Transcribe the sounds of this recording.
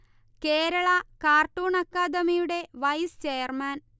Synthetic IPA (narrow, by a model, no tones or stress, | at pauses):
keːɾɐɭɐkaːrʈuːɳɐkːaːd̪ɐmijuɽe̞ʋɐjst͡ɕejɐrmaːn